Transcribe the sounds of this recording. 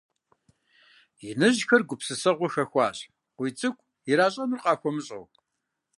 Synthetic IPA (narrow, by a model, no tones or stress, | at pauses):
jɪnɨʑxɐrɡʷʊpsɨsɐʁʷʊxɐxʷɑ̰ːɕʼ | qʷijt͡sʼɨkʷʰʼ | ɪɾaːɕʼɐmɨrqʼɑːxʷɔmɨɕʼo̰w